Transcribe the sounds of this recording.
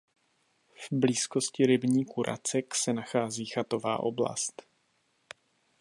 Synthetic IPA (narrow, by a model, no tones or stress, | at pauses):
vbliːsko̞scɪɾɪbɲiːkuɾʔa̰t͡sɛksɛnaxaːziːxat̪o̞va̰ːʔo̞̰bla̰st̪